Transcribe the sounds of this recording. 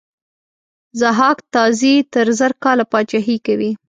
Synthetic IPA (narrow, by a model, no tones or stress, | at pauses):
zaɦɑkt̪ɑzit̪əɾzəɾkɑlapɑt͡ʃaɦikawi